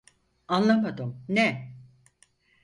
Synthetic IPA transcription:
anlˠamad̪ɯmnɛ

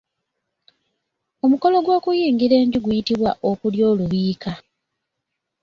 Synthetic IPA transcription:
o̞muko̞lo̞ɡwo̞ːkujiːŋɡiɾe̞ːɲɟuɡujitiβwaʔo̞kuljo̞ːluβiːka

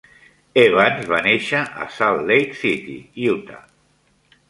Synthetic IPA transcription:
eβanzβaneʃaʔa̰salːejt̪sit̪ḭiut̪a̰

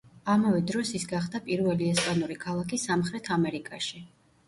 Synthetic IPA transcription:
amavɛd̪ɾɔsisɡaχd̪apʼiɾvɛliɛspʼanuɾikʰalˠakʰisamχɾɛt̪ʰamɛɾikʼaʃi

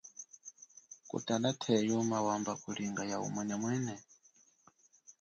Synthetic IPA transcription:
kʼṵtanatʰɛjumawambakuliŋɡajaṵmwɛnɛmwɛːnɛ

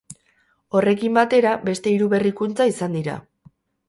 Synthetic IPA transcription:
o̞re̞kimbat̪e̞ɾabe̞st̪e̞iɾuβe̞rikunt͡saisand̪iɾa̰

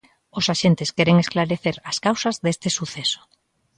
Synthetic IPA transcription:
ʊsaʃent̪ɪskɛɾeŋesklaɾeθeɾaskawsɐzðest̪ɪsuθesʊ̥

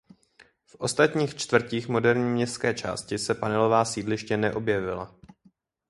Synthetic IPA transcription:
fʔo̞st̪at̪ɲiːxt͡ʃt̪vr̩ciːxmo̞dɛɾɲiːmɲɛst̪skɛːt͡ʃa̰ːscɪsɛpanɛlo̞vaːsiːdlɪʃcɛnɛʔo̞bjɛvɪla̰

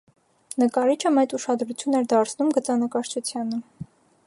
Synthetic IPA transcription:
nəkɑɾit͡ʃʰəmɛt͡suʃɑd̪ɾut͡sʰjunɛɾd̪ɑɾt͡sʰnumɡət͡sɑnəkɑɾt͡ʃʰut͡sʰjɑnə

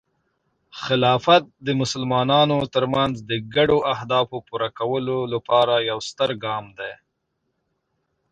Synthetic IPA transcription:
xɪlɑfat̪̚d̪əmʊsəlmɑnɑnot̪əɾmanzd̪əɡaɖoʔahd̪ɑfopuɾakawəlolapɑɾajawst̪əɾɡɑmd̪aj

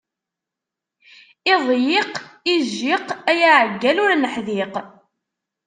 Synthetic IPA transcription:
ɪðˤjɪqiʒːɪqæjaʕəɡːælʊɾnəħðiq

